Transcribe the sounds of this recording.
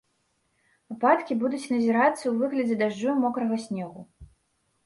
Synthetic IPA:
vɨpat̪kʲibud̪ut͡sʲnɐzʲɛɾat̪sːɐwvɨɣlʲɐd͡zʲɛd̪aʐumɔkɾɐɣɐsʲnʲɛɣu

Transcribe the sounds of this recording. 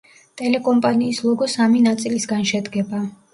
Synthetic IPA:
t̪ʼɛlɛkʼɔmpʼaniːslˠɔɡɔsaminat̪sʼilisɡanʃɛd̪ɡɛba

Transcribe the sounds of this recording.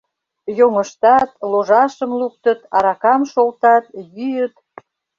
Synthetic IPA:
joŋə̆ʃt̪ɑt̪loʒɑʃəmluk̚t̪ət̪ɑɾɑkɑmʃolt̪ɑt̪jyjət̪

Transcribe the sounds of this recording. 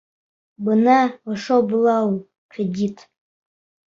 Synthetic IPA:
bɨnawaʂobɨlal | kʰedʲitʼ

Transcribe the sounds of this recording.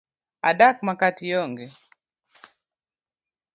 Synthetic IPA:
adak̚makatijɔŋɡɛ

